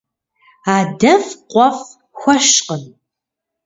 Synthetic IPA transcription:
aːdɐvqʷɔf | xʷɔʃqən

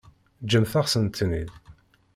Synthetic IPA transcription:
d͡ʒəmθaʁsənt̪ʰːnḭð

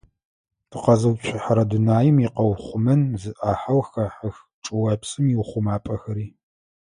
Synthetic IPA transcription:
tʰɨqɐzɐwpɕʷʰɪħɐɾɐdunaːjɪmiqɐwχʷʊmɐnzɨʔaːħawxɐħɐx | ʈ͡ʂʼɨwɐpsʼɨmjiwχʷʊmaːpʼɐxɐɾiː

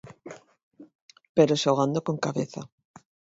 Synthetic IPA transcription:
peɾosaowɣand̪okoŋkaβeθa

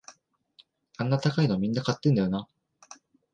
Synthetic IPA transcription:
ãnːat̪akaino̞mʲĩnːakat̪ːend̪ajo̞na

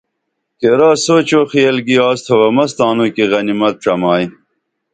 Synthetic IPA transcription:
keɾaːsoːt͡ɕoːxiɐlɡiaːst̪ʰɐwɐmɐst̪ɑːnukiɣɐnimɐt̪̚ʈ͡ʂɐmɑːi

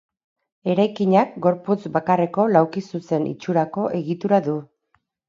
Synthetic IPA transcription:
e̞ɾajkiɲak̚ɡo̞ɾput͡sbakare̞ko̞lawkisuse̞nḭt͡ʃuɾako̞ʔe̞ɣit̪uɾaðu

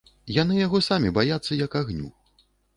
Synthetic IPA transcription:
janɨjaɣɔsamʲibajat̪sːɐjɐkaɣnʲṵ

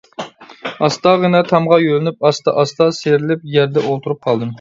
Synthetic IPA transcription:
ɑst̪ɑʁənɛt̪ʰɑmʁɑjølɪnypɑst̪ɑ̰ʔɑst̪ɑseɾɪlɪp̚jæɾd̪ɛolˠt̪ʰuɾup̚qʰɑlˠd̪ɨm

